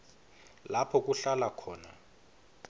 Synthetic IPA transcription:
lapʰɔk̬ʼuɬalakʰɔːna

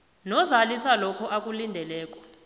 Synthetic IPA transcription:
nɔzalisalɔkʰɔʔakʼulindʱɛlɛːkʼɔ̥

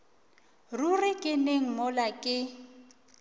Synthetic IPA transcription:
rurɪkʼɪneŋ̩mɔlakʼɪ

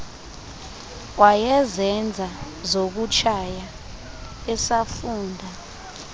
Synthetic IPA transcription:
wajɛzɛnd͡zʱa | zok̬ut͡ʃʰaja | ɛsafuːndʱa

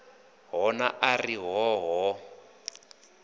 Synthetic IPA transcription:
ɦɔnaʔariɦɔɦɔ

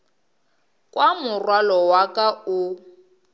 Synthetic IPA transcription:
kʼwamʊrwalɔwakʼaʊ

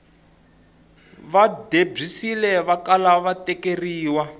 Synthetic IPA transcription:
βadeb͡ʐisilɛβakalaβatɛkeriːwa

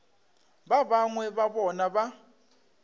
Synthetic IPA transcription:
βaβaŋwɛβaβɔnaβa

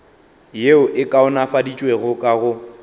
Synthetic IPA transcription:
jeʊʔɪkʼaʊnafadit͡ʃʼweɣʊkʼaɣʊ

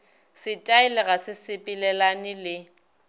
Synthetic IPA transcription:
sɪtʼaɪlɪɣasɪsɪpʼilɛlanɪlɪ

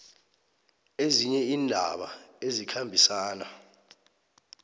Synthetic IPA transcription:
eziɲɛiːndʱaɓaezikʰambʱisaːna̰

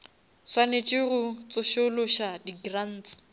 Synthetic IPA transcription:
swanet͡ʃʼɪrʊt͡sʼʊʃʊlʊʃadiɡran̩ːt͡sɪ̥

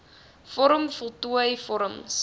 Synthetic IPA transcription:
fɔɾəmfɔlˠtuəjfɔɾəms

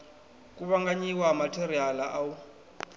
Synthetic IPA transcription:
kʼuβaŋɡaɲiwamatʰeɾialaʔau

